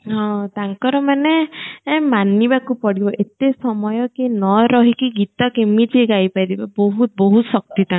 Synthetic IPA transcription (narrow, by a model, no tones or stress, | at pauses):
ɦɔ̃t̪aŋkɔɾɔmane | manibakupɔɽibɔʔet̪esɔmɔjɔkinɔɾɔɦikiɡit̪ɔkemid͡ʒiɡajpajd̪ibɔbɔɦut̪̚bɔɦut̪sɔk̚t̪it̪ãŋ